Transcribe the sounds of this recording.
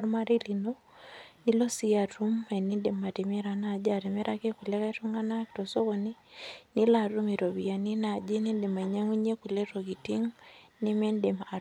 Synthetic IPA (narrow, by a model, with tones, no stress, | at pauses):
ɾma˦ɾi˦li˨no˦ | ni˦lo˦si˦a˨tu˦me˨ni˦de˨ma˨te˨mɛ˦ɾa˨na˨d͡ʒa˨ɾe˨me˦ɾʔa˦ke˦ku˨lɛ˦ka˦tu˦ŋa˦na˦kto˨so˦ko˨ni˦ni˦la˨ɾu˦mi˨ɾo˨βi˨ja˨ni˦na˨d͡ʒe˦ni˦nde˨ma˨ɲa˦ŋi˦ɲe˦ku˨le˦to˨ki˨ti˦ŋ | ni˦mɛ˦nde˨maː˨